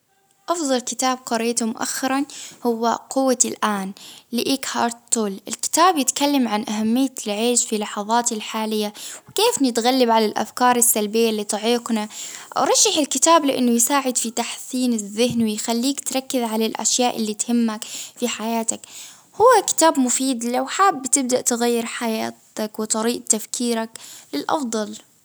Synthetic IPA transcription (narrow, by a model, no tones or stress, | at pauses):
ʔɑfðˤɑlkɪt̪aːb̚qɑɾɪːt̪umʊʔa̰xːɑɾˤɑnhʊwːa̰qʊwːalʔaːnlɪʔiːkhɑ̰ɾˤt̪t̪uːlɪlkɪ̥t̪aːbjɪt̪kalːamʕanʔaɦamːɪjːalʕeːʃfilɑħɑðˤɑːt̪ɪlħaːlɪjːawkeːfnɪt̪ɣalːɪbʕalalʔa̰fkɑːɾˤɪsːalbɪjːalːit̪ˤɑʕiːqnaʔa̰wɾˤɑʃːaħɪlkɪt̪aːblɪʔɪ̰nːʊjsaːʕɪd̪fit̪aħθiːnɪzːɪhnwɪjxalːiːkt̪ɾˤɑkːɪðʕalalʔa̰ʃjaːʔɪ̰lːit̪hɪmːakfiħajaːt̪ak | hʊwːakɪ̥t̪aːbmʊfiːd̪lawħaːbːɪt̪ɪb̚d̪aʔt̪ɪɣajːɪɾħajaːtakwɪt̪ˤɑɾiːʔt̪afkʰiːɾaklɪlʔɑ̰fd̪ˤɑl